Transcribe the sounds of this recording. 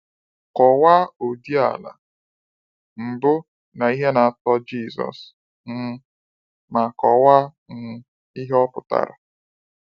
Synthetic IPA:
kɔ˨wa˦o˨di˦a̰˨la̰˨ | m̩˨bʊ˦ | na˨i˦ɦe˦na˨a˨tɔ˦d͡ʒi˦˨zɔ̰˨s | n̩˦ | ma˨kɔ˨wa˦ | n̩˨ | i˦ɦe˦ɔ˦pʊ˨ta̰˨ɾa̰˨

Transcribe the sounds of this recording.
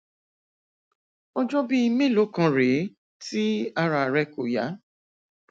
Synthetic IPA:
ɔ˦d͡ʒɔ˦bi˦i˧mẽ˦lo˨˦kã˧ɾe˨˦ | ti˦a˧ɾa˧˨ɾɛ˧ko˨ja̰˨˦

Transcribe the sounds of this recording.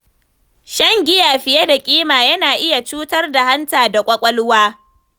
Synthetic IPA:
ʃɐ˦ŋɡʲɪ˦jaː˨ɸɪ˨je˦da˨kʲʼiː˦maː˨jɐ˦naː˨ʔɪ˦ja˨t͡ʃuː˦tɐ˦rda˨ha˦ntaː˨da˨kʷʼɐ˦kʷʼɐ˦lʊ˦waː˦

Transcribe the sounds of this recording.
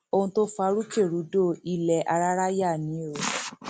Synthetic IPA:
o˧hũ˧to˦fa˧˦ɾu˦ke˦˨ɾu˨˦do˦i˧lɛ˨ʔa˧ɾa˦ɾa˦ja˦˨nĩ˨˦e˦˨ɾo˨˦

